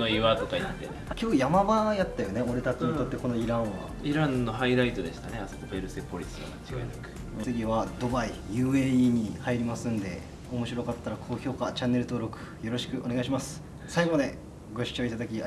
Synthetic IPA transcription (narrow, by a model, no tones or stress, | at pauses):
noiβat̪okait̪ːḛneakʲoːkojamabajat̪ːajo̞ne̞o̞ɾe̞t̪at͡ɕiɲ̟it̪o̞t̪ːe̞ko̞no̞iɾãɰ̃βa̰iɾãnːo̞ɦaiɾait̪o̞d̪e̞ɕi̥t̪aneasok̪obeɾɯ̟sepo̞ɾʲisɨɡa̰mat͡ɕiɡa̰enakɯ̟̥ | t͡sɨɡʲiβad̪o̞baijɯ̟ːeiɲ̟ihaiɾʲimasɨ̃nd̪e̞̰ | o̞mo̞ɕiɾo̞kat̪ːaɾakʰo̞ːço̞ːkat͡ɕanːe̞ɾɯ̟t̪oːɾo̞kɯ̟̥jo̞ɾo̞ɕi̥kɯ̟ʔo̞ne̞ɡaiɕimasɨ̥ | saiɡomad̪e̞ | ɡo̞ɕi̥t͡ɕo̞ːit̪ad̪akʲia